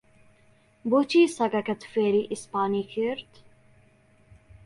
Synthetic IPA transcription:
bot͡ʃiːsɐɡɐkɐt̪feːɾiʔispaːniːkʰiɾt̪

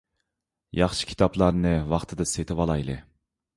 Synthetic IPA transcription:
jɑχʃi̥kʲʰi̥t̪ʰɑplˠɑɾnɨvɑχt̪ʰɨd̪ɑset̪ʰɪvɑlˠɑjlˠɨ̰

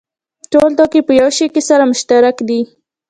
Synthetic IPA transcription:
ʈold̪ɑkepəjawʃekesaɾamʊʃt̪aɾakd̪i

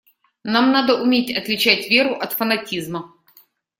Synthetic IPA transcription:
namnad̪əʔʊmʲetʲɐt̪lʲɪt͡ɕætʲvʲe̞ɾʊʔɐt̪fənɐtʲizmə

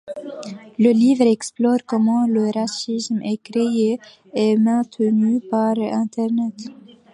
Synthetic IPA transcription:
ləlivʁɛksplɔʁkɔmɑ̃ləʁasismɛkχee | ɛmɛ̃t̪ənypaʁɛ̃t̪ɛʁnɛt̪

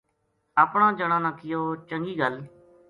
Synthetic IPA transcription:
əpɳãːd͡ʒəɽãːnãːkɪjoːt͡ʃəŋɡiːɡəl

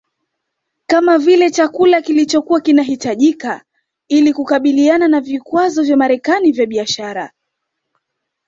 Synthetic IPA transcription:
kamavilɛt͡ʃakulakilit͡ʃɔkuakinaɦitaʄika | ilikukaɓiliananavikwazɔvjamaɾɛkanivjaɓiaʃaɾa

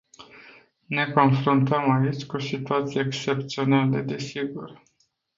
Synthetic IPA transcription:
ne̞ko̞nfɾunt̪əmait͡ʃʲkusit̪uat̪sije̞ːkst͡ʃe̞pt̪sio̞naləd̪e̞siɡur

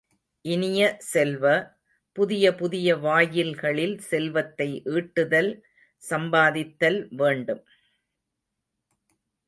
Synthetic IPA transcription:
ʔɪnɪjɐsɛlʋɐ | pʊðɪjɐpʊðɪjɐʋaːjɪlɣɐɭɪlsɛlʋɐt̪ːɐɪʔiːʈːɯðɐl | sɐmbaːðɪt̪ːɐlʋeːɳɖɯm

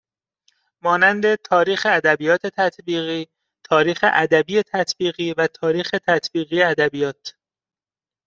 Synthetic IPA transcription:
mɒːnænd̪e̞t̪ʰɒːɾiːxeæd̪æbijɒːt̪ʰe̞t̪ʰæt̪ʰbiːɣiː | t̪ʰɒːɾiːxḛʔæd̪æbiːje̞t̪ʰæt̪ʰbiːɣiːvæt̪ʰɒːɾiːxe̞t̪ʰæt̪ʰbiːɣiːeæd̪æbijɒːt̪

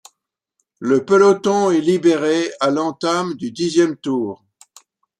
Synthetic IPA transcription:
ləpəlɔt̪ɔ̃ɛlibeʁealɑ̃t̪amd̪yd̪izjɛmt̪uːʁ

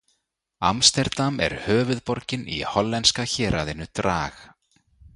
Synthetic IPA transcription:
a̰mst̪ɛɾt̪amɛ̰ɾ̥hœːvʏðpɔɾcɪnḭhɔlːɛnskaçɛːɾʔaðɪnːʏt̪ɾaːx

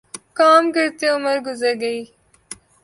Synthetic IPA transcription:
kaːmkɪɾt̪eʊməɾɡʊzɐɾɡɐiː

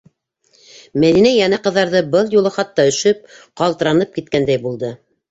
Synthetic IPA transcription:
mæðinæjɑnæqɤ̆ðːɑɾðɤbɤlˠjulˠɤχɑt̪ːɑɵ̆ʃɵp̚qɑlˠt̪ɤ̆ɾɑnɤp̚kit̪̚kænd̪æjbulˠd̪ɤ

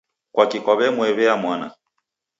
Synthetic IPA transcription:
kwakikɔβɛmwɛβɛamwana̰

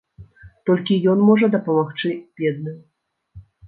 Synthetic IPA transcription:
t̪ɔlʲkʲijɔnmɔʐɐd̪ɐpɐmaxt͡ʂɨbʲɛd̪̚nɨ

